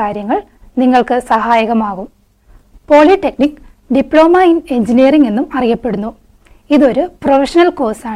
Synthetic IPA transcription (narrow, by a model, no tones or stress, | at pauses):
aːɾjɐŋːɐɭ | niŋːɐɭkɨsɐhaːjɐɣɐmaːɣum | po̞ːɭiʈːe̞knikː | ɖipːɭo̞ːmaːjine̞ɲd͡ʑinijɐriŋe̞nːumɐrijɐpːe̞ɽunːu | iðo̞ɾuprofɐʂɐnɐlko̞ːsaːɳ